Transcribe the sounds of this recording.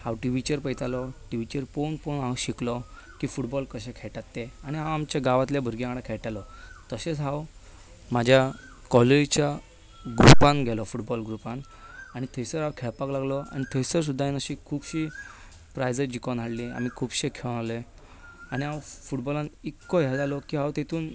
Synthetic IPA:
hawʈiʋit͡ɕəɾpəjt̪ʰalɔʈiʋit͡ɕəɾponponɦãwɕiklɔ | kiːfuʈbɔlkəɕɛ̃kʰɛʈat̪ːeaɽ̃iɦãwamt͡ɕaɡaʋat̪ljabʱəɾɡjãkɽãkʰɛɭʈalɔt̪əɕet͡sɦaw | mad͡ʑʱja | kɔleɾt͡ɕja | ɡɾupãnɡʱɛlɔfuʈbɔlɡɾupãn | aɽ̃it̪ʰəsəɾawkʰɛɭpaklaɡlɔa̰ñit̪ʰəjsəɾs̬ud̪ʱːainəɕikʰuːbɕi | pɾajd͡zəɾd͡ʑikɔnaɽlia̰m̤ikʰuːbɕekʰeɭñale | añiɦãwfuʈbɔlãnikːɔɦɛd͡zalɔkiːɦãwt̪et̪ʰuːn

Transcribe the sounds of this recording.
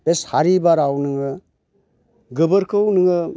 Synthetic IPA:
peshaɾibaɾawnɯŋɯ | ɡɯbɯɾkʰɯwnɯŋɯ

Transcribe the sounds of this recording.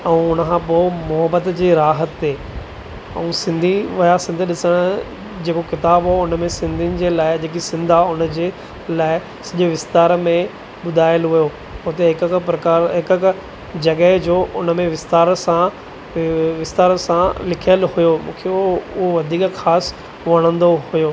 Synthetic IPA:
ɛ̃ũʊnəkʰãpoːmʊɦəbət̪d͡ʑiːɾaːɦət̪ːeː | ɛ̰̃ũsɪ̃nd̪ʱiʋɐjasɪ̃nd̪ʱɗɪsəɽ̃ | d͡ʑeːkokɪt̪aːbɦaʊnmẽsɪ̃nd̪ʱinɪ̆d͡ʑeːlaːɪd͡ʑeːk̬isɪ̃nd̪ʱaʊnəd͡ʑeː | laːɪ | sɐʄʊʋɪst̪aːɾmẽ | ɓʊd̪ʱaːɪəlɦujo | ʊɦt̪eɦɪkkpɾɐkaːɾɦɪkk | d͡ʑɐɠəɦd͡ʑoːʔʊnə̆mẽʋɪst̪aːɾsã | ʋɪst̪aːɾsãlɪkʰijəlhʊjomṵ̃ːkʰeʊɦoʋɐd̪ʱiːkxaːs | ʋɐɽ̃ə̃nd̪oɦʊjoː

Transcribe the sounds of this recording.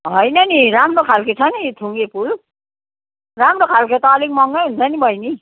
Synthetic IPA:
ɦʌjnʌniɾamrokʰalket͡sʰʌnit̪ʰuŋɡepʰul | ramrokʰalket̪ʌːlikmʌŋɡʌjɦunt͡sʰʌnibʱʌjni

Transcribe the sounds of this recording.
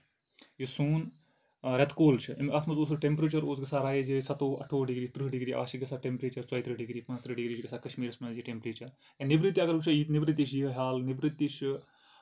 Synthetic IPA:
jisuːn | ɾʲɐt̪koːlt͡ʃʰɨimɐt̪ʰmɐzoːsɨʈempɾet͡ʃɐɾoːsɡɐsaːɾaːjed͡ʒisɐt̪oːʔɐ̰ʈʰoːɖiɡɾiːt̪ɾɨɦɖiɡɾiːʔa̰ːʃiɡɐsʰaːʈempɾeːt͡ʃɐɾt͡sɐit̪ʰɾɨɦɖiɡɾiːpɐ̃nst̪ɾɨɖiɡɾiːt͡ʃɡɐsaːkɐʃmiːɾɐsmɐd͡ʒiʈempɾiːt͡ʃʰɐɾ | jɐnibɾit̪ːiɐɡɐɾɡut͡ʃʰajiːnibɾit̪̬ːiʃjiɦɐɦʲaːlnɪbɾit̪ːiʃɨ

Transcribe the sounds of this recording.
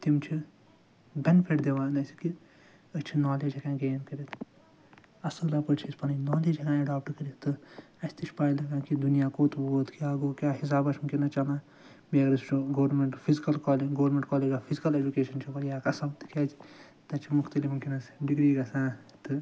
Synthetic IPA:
t̪imt͡ʃʰi | bʲenipʰeʈd̪eʋaːnɐsi̥ki | ət͡ʃʰinaːleːd͡ʒɐkãːɡeːnkɐɾit̪ʰ | ɐsɨlaːpɐt͡ʃʰispɐninɔːleːd͡ʒɐkãːɐɖaːp̚ʈɐɾkɐɾit̪t̪ɨ | ɐsʲt̪it͡ʃʰʲpaːɽilɐkãːkid̪unijaːkoːt̪boːt̪kjaːɡoːkʲjaːɦis̬aːbɐt͡ʃʰmkʲinɐt͡ʃɐlãː | miɐɡɐɾɐst͡ʃʰuɡoːɾmeɳʈpʰizikɐlkaːleɡoːɾmẽɳʈkaːleːd͡ʒaːpʰizikɐled͡ʒukeːʃɐnt͡ʃʰipɐjaːkɐsɐbt̪ɨ̥kʲɐd͡ʒ | t̪ɐt͡ʃʰimukʰt̪ɐlimmkinɐsɖiɡɾiːɡɐsãːt̪ɨ

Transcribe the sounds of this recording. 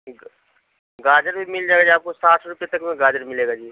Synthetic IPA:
ɡaːd͡ʒəɾbʱimɪld͡ʒaːɡad͡ʒiaːp̚kosaːt̪ʰɾʊpjet̪ɐkmẽɡaːd͡ʒəɾmɪleːɡad͡ʒiː

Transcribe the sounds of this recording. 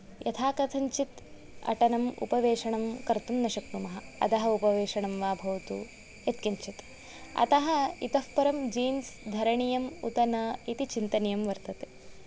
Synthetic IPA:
jɐt̪ʰaːkɐt̪ʰɐɲt͡ʃit̪ | ɐ̰ʈɐnɐmṵpɐʋeːʂɐɳɐmkɐɾt̪umnɐʃɐknumɐɦɐ̆ɐ̰t̪ɐɦɐupɐʋeːʂɐɳɐmʋaːbʱɐʋt̪ṵ | ɐt̪kɐɲt͡ʃit̪ | ɐ̰t̪ɐɦɐit̪ɐfpɐɾɐmd͡ʒiːnsd̪ʱɐɾɐɳijɐmṵt̪ɐnɐit̪it͡ʃint̪ɐnijɐmʋɐɾt̪ɐt̪e

